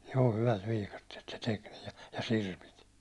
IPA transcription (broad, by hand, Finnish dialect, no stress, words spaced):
joː hyʋæt ʋiːkɑtːiet se tek niː jɑ sirpit